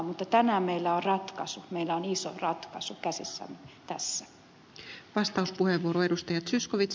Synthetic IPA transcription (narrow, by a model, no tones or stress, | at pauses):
mut̪ːɑt̪ænæmeilːæorrɑt̪kɑsumeilːæoniso̰rɑt̪kɑsukæsḭsːæ̰mːet̪æsːæ | ʋɑst̪ɑuspuheʋːuoɾoe̞dust̪ɑjɑt̪syskoʋit̪s